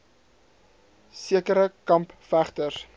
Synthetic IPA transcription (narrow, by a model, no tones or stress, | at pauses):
siəkəɾəkɐmpfæχtəs